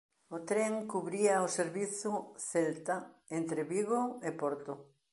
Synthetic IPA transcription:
ot̪ɾeŋkuβɾiɐoseɾβiθʊθelt̪aent̪ɾeβiɣoepoɾt̪o

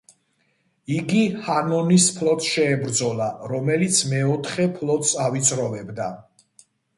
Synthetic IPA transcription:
iɡihanɔnispʰlɔt̪ʰʼʃɛːbɾd̪zɔlaɾɔmɛlit̪sʰmɛɔt̪ʰχɛpʰlˠɔt̪sʼavit̪sʼɾɔvɛbd̪a

